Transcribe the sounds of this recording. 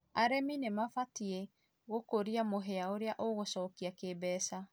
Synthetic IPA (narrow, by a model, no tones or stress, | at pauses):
aɾɛminemafatie | ɣokoɾiamoɦɛaoɾeaʔoɣosɔːkiakebɛːsa